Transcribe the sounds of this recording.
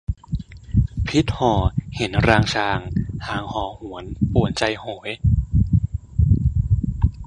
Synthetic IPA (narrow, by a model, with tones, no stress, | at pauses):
pʰi˦˥t̪̚hɔː˨˩he˩˦nɾaː˧ŋt͡ɕʰaː˧ŋhaː˩˦ŋhɔː˨˩˦hu˨˩˦ənpu˨˩ənt͡ɕa˧jhoː˩˦j